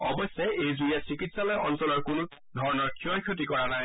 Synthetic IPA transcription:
ɔ̰bɔsːɛejzuijasɹikitsalɔjɔnsɔlɔɹkʊnʊ | dʱɔɹnɔɹkʰiɔjkʰjotikɔɹanaj

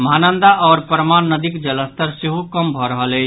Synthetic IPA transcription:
məɦanənd̪aʔɔːɾpəɾmanːəd̪ikd͡ʒələst̪əɾseɦukəmbʱɔɾəɦəlɛ

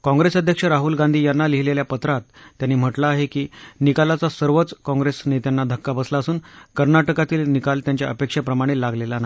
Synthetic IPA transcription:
kɔ̃ŋɡɾesəd̪ʱjəkʂəɾaɦulɡãnd̪ʱiːjanːaliɦileljapət̪ɾat̪ːjanːiːm̤əʈlaːɦekiːnikalat͡sasəɾʋət͡skɔ̃ŋɡɾesnet̪jenːad̪ʱəkːabəslaəsuːnkəɾnaʈəkat̪iːlnikalt̪jaɲt͡ɕja̰ʔəpekʂapɾəmaɽ̃iːlːaɡlelana

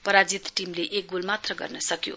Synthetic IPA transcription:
pʌɾad͡zit̪ʈimleʔek̚ɡulmat̪rʌɡʌ̰rnʌsʌkjo̰

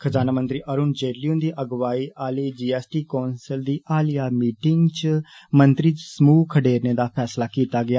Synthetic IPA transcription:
kʰəd͡ʒaːnamə̃nt̪ɾiːʔəɾuːnd͡ʒeːɾlijũːnd̪iːʔəɡʋaːiːʔaːliːd͡ʒiːɛːsʈiːkoːnsəld̪iːʔaːlijaːmiːʈɪŋɡt͡ʃmənt̪ɾiːsmuːkʰəɖeːɾneːd̪aːpʰɛːslaːkiːt̪aːɡɪaː

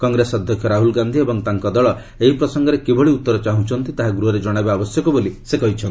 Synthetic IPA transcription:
kɔŋɡɾesɔd̪ʱjɔkʰjɔɾaɦulɡand̪ʱiebɔŋt̪aŋkɔd̪ɔɭɔ | eɦipɾɔsɔŋɡɔɾekebɔɭiut̪ːɔɾɔt͡ʃaɦũt͡ʃʰɔnt̪it̪aɦaɡɾuɦɔɾed͡ʒɔɽ̃ajbaːbɔsjɔkɔbolisekɔɦit͡ʃʰɔnt̪i

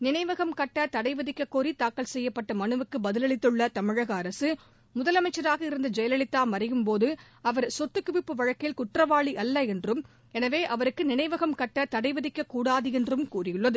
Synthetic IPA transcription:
nɪnɐɪʋɐɣɐmkɐʈːɐt̪ɐɽɐɪʋɐðɪkːɐkːoːɾit̪aːkːɐlsɛjːɐpːɐʈːɐmɐnɯʋɯkːɯbɐðɪlɐɭɪt̪ːɯɭːɐt̪ɐmɪɻɐɣɐːɾɐsɯ | mʊðɐlɐmɐɪt͡ʃːɐɾaːɣɐɪɾɯnd̪ɐd͡ʒɛjɐlɐɭɪt̪ːaːmɐrɪjɯmpoːðɯ | ɐʋɐɾsɔt̪ːɯkːʊʋɪpːɯʋɐɻɐkːɐjɪlkʊʈrɐʋaːɭiʔɐlːɐɛndrɯm | ɛnɐʋeːʔɐʋɐɾɯkːɯnɪnɐɪʋɐɣɐmkɐʈːɐt̪ɐɽɐɪʋɐðɪkːɐkuːɽaːðɯɛndrɯmkuːrɪjɯɭːɐðɯ

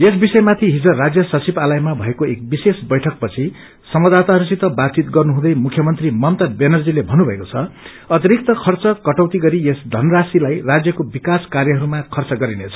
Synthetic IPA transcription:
es̬bisʌjmat̪ʰiɦid͡zorad͡zjʌsʌt͡sibalajmabʱʌekoek̚bisesbʌjʈʰʌk̚pʌt͡sʰi | sʌmʌd̪at̪aɾʌsit̪ʌbat͡sit̪ɡʌrnuɦũd̪ʌjmukʰjʌmʌnt̪rimʌmt̪abenʌrd͡zilebʱʌnubʱʌekot͡sʰʌ | ʌt̪iɾik̚t̪ʌkʰʌrt͡sʌkʌʈʌwt̪iɡʌɾiesd̪ʱʌnʌrasilajrad͡zjʌkobikaskarjʌɦʌɾumakʰʌrt͡sʌɡʌɾinet͡sʰʌ̥

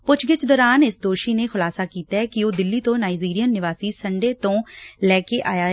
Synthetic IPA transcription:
pʊt͡ʃʰɡɪt͡ʃd̪ɔːɾaːnɪsd̪oːʃiːneːkʰʊlaːsaːkiːt̪aːɦɛːkɪoːd̪ɪlːiːt̪õːnaːid͡ʒiːɾijənːɪʋaːsiːsəɳɖeːt̪õːlɛːkeːʔaːjaː

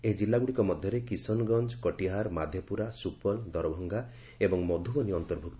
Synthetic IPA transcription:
ed͡ʒilːaɡuɽikɔmɔd̪ʱjɔɾekisɔnɡɔnd͡ʒɔkɔʈiɦaɾmad̪ʱjɔpuɾasupɔld̪ɔɾɔbʱɔŋɡa | ebɔŋmɔd̪ʱubɔniɔnt̪ɔɾbʱuk̚t̪ɔ

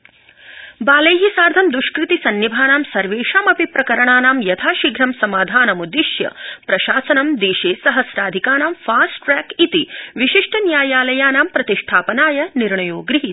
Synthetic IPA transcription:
baːlɐjɦisaːɾd̪ʱɐmd̪uʃkɾit̪isɐnːibʱaːnaːmsɐɾʋeːʃaːmɐpipɾɐkɐɾɐɳaːnaːmjɐt̪ʰaːʃiɡɾɐmsɐmaːd̪ʱaːnɐmud̪iʃjɐ̰pɾɐʃaːsɐnɐmd̪eːʃeːsɐɦɐsɾaːd̪ʱikaːnaːmfaːsʈɾɛːkit̪iʋiʃiʂʈʰɐnjaːjaːlɐjaːnaːmpɾɐt̪iʂʈʰaːpɐnaːjɐniɾɳɐjoːɡɾiɦi

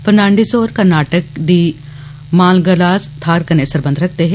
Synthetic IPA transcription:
fəɾnãːɳɖisoːɾkɐɾnaːʈək̚d̪i | maːlɡɐlaːst̪ʰaːɾkɐnesɐɾbə̃nd̪ʱɾɐkʰt̪eɦɛ̃

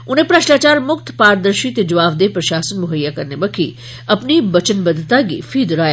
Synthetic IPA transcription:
ʊnɦẽpɾɐʃʈaːt͡ʃaːɾmʊkt̪ʰpaːɾd̪əɾʃit̪ed͡ʒɐʋaːʋd̪eːpɾɐʃaːsənmʊɦəjːakɐɾnebɐkʰḭ | ɐpnibɐt͡ʃənbɐd̪ʱt̪aɡḭfʰid̪ʊɾaːj

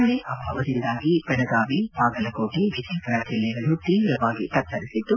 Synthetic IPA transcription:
ɐɭeʔɐbʱɐ̰ʋɐd̪ind̪aːɡipɐɖɐɡaːʋipaːɡɐlɐkoːʈiʋʱid̪ipɐɾɐt͡ʃilːɛɡɐɭut̪iːɾɐʋaːɡit̪ɐt̪ːɐɾisit̪ːu

